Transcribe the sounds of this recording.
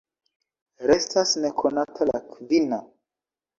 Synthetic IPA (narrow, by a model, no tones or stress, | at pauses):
ɾestʰasnekʰonatʰala̰kvina